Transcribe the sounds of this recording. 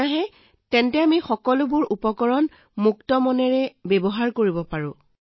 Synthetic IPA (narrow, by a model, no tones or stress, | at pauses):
aɦɛ | tɛntɛamixɔkɔlʊbʊɹupɔkɔɹɔn | muktɔmɔnɛɹɛbɛbɔɦaɹkoɹibɔpaɹʊ̃